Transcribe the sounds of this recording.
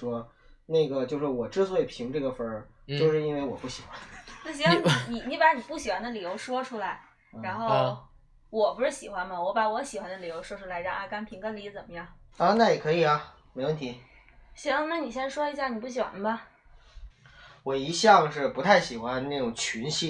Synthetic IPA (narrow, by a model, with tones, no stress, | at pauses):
ʂwɔ˥ | na˥˩ɡə˩t͡ɕjo˥˧ʊʂɻ̩˥˩wɔ˨˩ʈ͡ʂɻ̩˥swɔ˧˥i˨˩pʰi˧˥ŋʈ͡ʂɤ˥˩ɡə˩fə˧˥ | t͡ɕjo˥˧ʊʂɻ̩˥˧i˥nwe˥˩ɪwɔ˨˩pu˥˩ɕi˨˩xwa˧˦˥nd̪na˥˩ɕi˧˩wa˥ŋn˥˩ni˧˩ni˧˥pa˧˥ni˨˩pu˥˩ɕ̬i˨˩xwa˧˥nd̪ə˧˨li˨˩jo˧˥ʊʂwɔ˥ʈ͡ʂʰu˥la˧˥ɪ | ɻa˧˥nxo˥˧˩o˥ʊ | wɔ˨˩pu˧˥ʂɻ̩˥˩ɕi˨˩xwa˧˥nmɐ˨wɔ˧˥pa˧˥wɔ˧˥ɕi˨˩xwa˧nd̪ə˧li˨˩jo˧˥ʊʂwɔ˥ʈ͡ʂʰu˥la˧˥ɪ˧t͡ɕjɑ̰˥˧˩ŋʔa˥˧˩ka˥npʰi˧˥ŋkə˥nli˧˥t͡sə˨˩nmə˦jɑ˥˩ŋɐ˧na˥˩jɛ˨˩kʰɤ˧˥i˨˩ɐ˦ | me˧˥ɪwə˥˩nt̪ʰi˧˥ | ɕi˧˥na˥˩ni˨˩ɕjɛ˥n˥˧ʂwɔ˥i˧˥ɕja˥˩ni˨˩pu˥˩ɕi˨˩xwa̰˧˦nə˧bɐ˧ | wɔ˨˩i˧˥ɕjɑ˥˧ŋʂɻ̩˥˩pu˧˥t̪ʰa˥˩ɪɕi˨˩xwa˧˦nna˥˩ʈ͡ʂʊ˨˩ŋt͡ɕʰy˧˥nɕi˥